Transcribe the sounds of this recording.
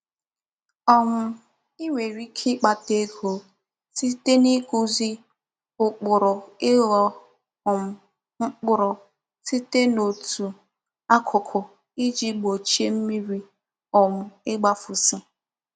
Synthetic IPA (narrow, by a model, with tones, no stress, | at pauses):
ɔ˦mʊ˨ | i˦ŋʷe˨ɾi˦kʰi˦k͡pa˨te˦ko˨ | si˦te˦ni˦ku˦zi˦ | ʊ˨k͡pʊ˨ɾɔ˨ɪ˦ɣɔ˨ | m̩˦ | ŋ͡m̩˦k͡pʊ˦ɾɔ˨ | si˦te˦no˨tʰu˨ | a˦kʰʊ˨kʰʊ˨ | i˦d͡ʒi˦ɡ͡bo˨t͡ʃi˦e˦m̩˦mi˦ɾi˦ | ɔ˨mʊ˨ɪ˦ɡ͡ba˦fʊ˨si˦